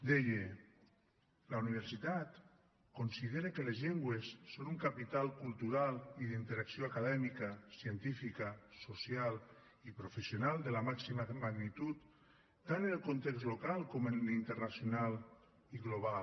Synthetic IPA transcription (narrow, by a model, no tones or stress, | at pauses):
d̪eje | launiβ̞eɾsit̪at̪ | konsiðeɾekəlezʎɛŋɡwesːonuŋkapit̪alˠkulˠt̪uɾalˠiðint̪eɾaksioakaðɛmikəsiənt̪ifikəsosjal | ipɾofesjonalˠd̪əlamaksimamaɣnit̪ut̪ː | anənəlˠkont̪ɛkzlokalˠkɔmənlint̪əɾnasjonal | iɣloβal